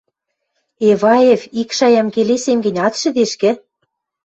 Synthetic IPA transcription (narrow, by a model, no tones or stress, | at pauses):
eβɑefikʃɑjɑmkelesemɡɘ̆nʲɑt̪ʃɘ̆d̪eʃkɘ̆